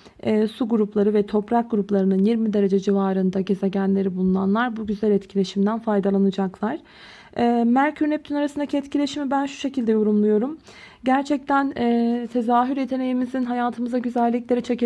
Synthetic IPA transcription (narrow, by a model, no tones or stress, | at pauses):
ɛːsuɡuɾuplˠaɾɯvɛt̪ʰo̞pɾak̚ɡuɾuplˠaɾɯnɯnjiɾmid̪e̞ɾe̞d͡ʒɛd͡ʒivaːɾɯnd̪aɟe̞ze̞ɟænlʲe̞ɾibulˠunanlˠaɾbuɟyzælʲɛt̪cʰilʲe̞ʃimd̪ænfajd̪alˠanɯd͡ʒaklˠaɾ̥ | ɛːmæɾcʰyɾnɛp̚t̪ʰynaɾasɯnd̪acʰiɛt̪cʰilʲe̞ʃimibænʃu̥ʃe̞cʰilʲd̪ɛjo̞ɾumlˠujo̞ɾum | ɟæɾt͡ʃʰɛc̚t̪ʰænɛːt̪ʰe̞zaːɦyɾje̞t̪ʰe̞ne̞jimizinɦajaːt̪ʰɯmɯzaɟyzælʲːiclʲe̞ɾit͡ʃʰe̞ce